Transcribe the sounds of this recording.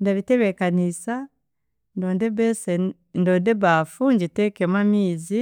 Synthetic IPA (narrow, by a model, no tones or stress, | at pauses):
ndaβiteβekanisa | ndoːndeβese | ndoːndeβafuɲɟitekemwamiːzi